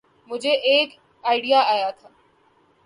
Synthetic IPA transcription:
mʊ̃d͡ʑeʔːk | aːɪɽijaaːjat̪ʰaː

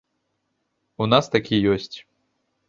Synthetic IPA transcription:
unast̪akʲʰijɔsʲt͡sʲ

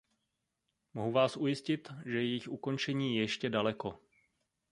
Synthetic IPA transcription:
moɦuvaːsʔujɪscɪt̪ʒɛjɛjɪxuko̞nt͡ʃɛɲiːjɛʃcɛdalɛko̞

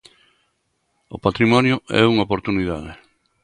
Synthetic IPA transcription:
opat̪ɾimɔnjʊɛ̰uŋaopoɾt̪uniðaðɪ

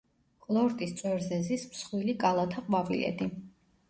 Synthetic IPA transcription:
kʼlˠɔɾt̪ʼist̪sʼwɛɾzɛzismsχwilikʼalˠat̪ʰaqʼwavilɛ̰d̪i

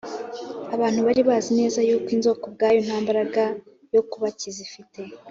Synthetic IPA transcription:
aβaːn̥huβaɾiβaːzine̞ːzajuːkwinzo̞ːko̞b̚ɡaːjon̥haːmbaɾaɡa | jo̞kuβacizifite̞

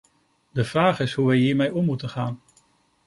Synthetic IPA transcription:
dəv̥raːχɪsɦuʋɛjɦiːɹmɛjɔmːutəχaːn

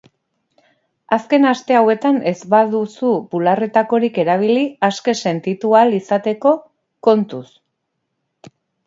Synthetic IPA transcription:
aske̞nast̪e̞awe̞t̪ane̞zβaðusupulare̞t̪ako̞ɾike̞ɾaβ̞iliaske̞se̞nt̪it̪ualisat̪e̞ko̞ | ko̞nt̪us

